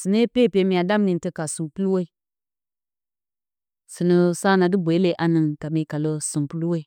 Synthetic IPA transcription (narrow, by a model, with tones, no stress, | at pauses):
si˨ne˦pe˦˨pe˨mi˨a˨da˦m˦ni˨ntə˦ka˨su˨pu˦lwe˦i˨ | sɨ˨nə˨sa˦na˨dɨ˦bʷe˨˦le˨ʔa˨nɨ˨ŋka˨mi˨ka˨lo˦su˨mpu˦lu˦we˦i˨